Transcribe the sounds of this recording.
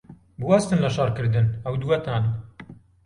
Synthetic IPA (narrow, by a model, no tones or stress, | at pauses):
buwast̪ɨnlɐʃɑrkɨɾd̪ɨnɐwd̪uwɐt̪ʰaːn